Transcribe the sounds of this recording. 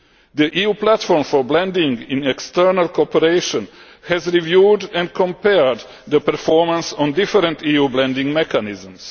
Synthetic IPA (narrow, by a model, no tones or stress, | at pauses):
d̪əʔijuːplætfɔɹmfɔɹblɛ̃nd̪ɪ̃ŋɡĩnɛkst̪əɹnalkɔpəɾeɪʃə̃n | hɛzɹivjuːdɛ̃nkʰɔ̃mpɛɹd̪ | d̪əpəɾfɔɹmãnsɔ̃ndɪfəɾə̃nt̪ijuːblɛ̃ndĩŋɡmɛkanɪzə̃ms